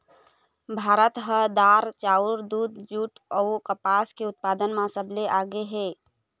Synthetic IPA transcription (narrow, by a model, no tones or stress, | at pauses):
bʱaːɾət̪ɦəd̪aːɾt͡ʃaːʊɾd̪uːd̪̚d͡ʒuːʈəukəpaːskeʊt̪̚paːd̪ənmãsəbleʔaːɡeɦeː